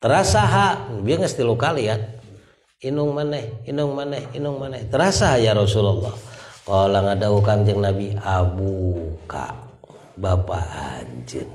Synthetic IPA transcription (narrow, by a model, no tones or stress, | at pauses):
t̪əɾasaɦanabiaŋəst̪ilukalian | inʊŋmanɛhinʊŋmanɛhinʊŋmanɛht̪əɾasaɦajaɾɔsulɔlːɔ̰hkɔlaŋadaukaŋd͡ʒəŋnabiabuka̰ʔ | bapa̰ʔa̰ɲd͡ʒə̰n